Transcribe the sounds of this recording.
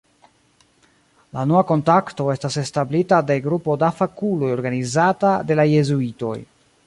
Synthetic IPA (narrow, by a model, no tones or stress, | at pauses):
lanoako̞ntakto̞e̞stase̞stablitade̞ɡɾupo̞dafakulo̞jo̞ɾɡanizatade̞laje̞zuito̞̰j